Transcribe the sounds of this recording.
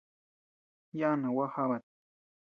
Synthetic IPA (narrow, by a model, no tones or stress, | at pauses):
janawahaβat̪̚